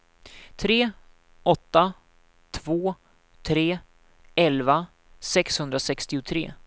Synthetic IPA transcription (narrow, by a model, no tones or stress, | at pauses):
t̪ʰɾeː | ʔɔt̪ːa | t̪ʰvoː | t̪ʰɾeː | ɛlva | sɛkshɵnd̪ɾasɛkst̪ɪʊt̪ʰɾḛː